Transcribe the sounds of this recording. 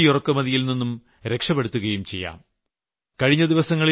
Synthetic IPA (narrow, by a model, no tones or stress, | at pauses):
ijurɐkːɨmɐðijilninːum | ɾe̞kʂɐpːeɽut̪ːuɣɐjumt͡ɕe̞̰jːa̰ːm | kɐɻiɲːɐd̪iʋɐsɐŋːɐɭi